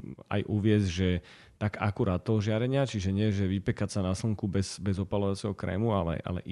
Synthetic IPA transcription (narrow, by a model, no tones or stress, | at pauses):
a̰jʔuʋɪɛzʒɛ | t̪aɡa̰kuɾaːt̪̚t̪ːɔɦɔʒɪaɾɛɲɪat͡ʃiʒɛɲɪɛʒɛʋipɛkacsanasl̩ŋkubɛzbɛzɔpalɔʋat͡sɛɦɔkɾɛ̰ːmualɛ̰ʔa̰lɛ̰ʔ